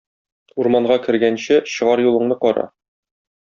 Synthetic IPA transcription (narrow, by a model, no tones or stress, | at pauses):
uɾmɑɴʁɑkɘ̆ɾɡænɕɘɕɤ̆ʁɑɾjulˠɤ̆ɴnɤqɒɾɑ̰